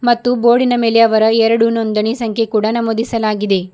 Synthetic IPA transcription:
mɐt̪ːubo̞ːɽinɐmeːleɐʋɐɾɐɛɾɐɽunond̪ɐɳisɐŋkʰekuːɽɐnɐmoːd̪isɐlaːɡid̪e̞

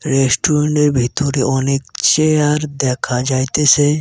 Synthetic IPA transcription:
ɾesʈuɾeɳʈeɾbʱit̪ɔɾiʔɔnek̚t͡ʃejaɾd̪ɛkʰad͡ʒajt̪ese

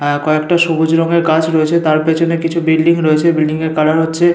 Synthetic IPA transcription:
koekʈaʃobud͡ʑɾɔŋeɾkat͡ɕɾoet͡ɕʰet̪aɾpet͡ɕʰonekit͡ɕʰubilɖiŋɾoet͡ɕʰebilɖiŋeɾkalaɾɦotːɕʰe

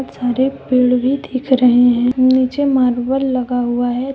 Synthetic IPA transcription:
t̪saɾepeɭʋiːt̪ʰiːkʰɾəɦiɦẽunit͡ɕemaɾʋəlləɡaʋaɦe

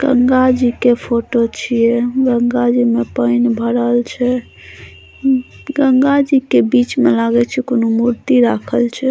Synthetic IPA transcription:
ɡ̥əŋɡad͡ʒikepʰoʈot͡ʃʰijɛɡəŋɡad͡ʒimepəɪnbʱəɾəlt͡ʃʰɛ | ɡəŋɡad͡ʒikebit͡ʃmelaɡɛt͡ʃʰɛkonomuɾt̪iɾakʰəlt͡ʃʰɛ

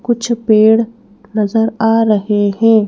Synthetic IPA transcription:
kʊt͡ʃʰpeːɽ | nɐzəɾaːɾɐɦeɦɛ̃ː

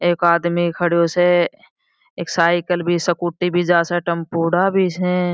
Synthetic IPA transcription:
eːkaːd̪mikʰəɽjose | eːksaːɪkəlbʱisəkuːʈːibʱid͡ʒaːseʈəmpuːɽabʱisɛ̃

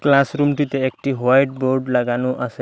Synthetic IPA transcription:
klasɾumʈit̪eːkʈiɦajʈ̚boɾɖlaɡanũʔase

